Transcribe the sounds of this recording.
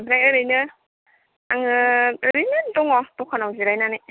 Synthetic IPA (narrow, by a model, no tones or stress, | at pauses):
bɾajɯɾɯjnɯ | aŋɯɯɾijnɯntɔŋɔtɔkʰɔnawziɾajnani